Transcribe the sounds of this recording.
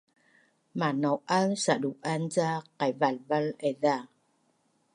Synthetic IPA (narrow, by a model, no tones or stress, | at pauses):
maːnɔwʔansaɗuʔʔanzaqajvalvalɛðaː